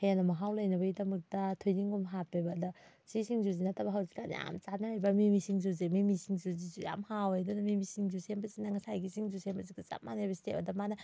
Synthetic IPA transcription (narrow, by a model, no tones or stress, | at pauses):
hɐjanɐmɐɦawlɐjnɐbɐɡidɐmɐk̚tɐtʰojniŋɡomɦapʰebɐdɐ | sisiŋzuzinatʰːɐbɐɦawzi̥kan̰ja̰mt͡ʃanaɾajbɐmimisiŋzuzimimisiŋzuzizuja̰mhawajdunɐmimisiŋzusembɐzinɐŋɐsajɡisiŋzusembɐzikat͡ʃa̰manajbɐsi̥tebɐ̰dɐmanɐ